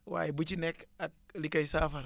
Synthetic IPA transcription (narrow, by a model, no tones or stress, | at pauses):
wa̰ːjibut͡ʃinɛkak̚likajsaːfaɾ